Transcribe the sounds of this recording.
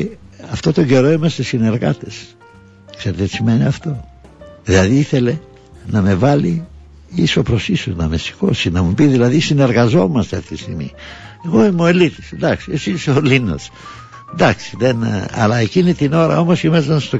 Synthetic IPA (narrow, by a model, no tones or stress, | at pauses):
ɐft̪o̞t̪o̞ɲɟe̞ɾo̞imɐst̪esine̞ɾɣɐ̰t̪es | kse̞ɾet̪ei̥simeniɐft̪o̞ | ðilɐðiiθe̞le̞ | nɐme̞vɐli | iso̞pɾo̞sisuznɐme̞si̥ko̞̰sinɐmupiðilɐðisine̞ɾɣɐzo̞mɐst̪eɐfit̪ist̪iɣmḭeɣo̞imoelit̪i̥snd̪ɐksiesiseolino̞̰s | nd̪ɐksi̥ðenɐ̰lɐe̞cinit̪ino̞ɾɐ̰o̞mosimɐsɐnst̪o